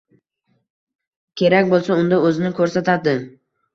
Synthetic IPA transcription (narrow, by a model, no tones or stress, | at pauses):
kʲʰe̞ɾakʲbolˠsaʊnd̪aɵzɪnɪkʰɵɾsat̪ʰad̪ɪ